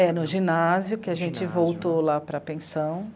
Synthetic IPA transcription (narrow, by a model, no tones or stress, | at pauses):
ɛnʊʒĩnazjʊkɪaʒẽnt͡ʃɪvowt̪olapɾɐpẽsɐ̃w̃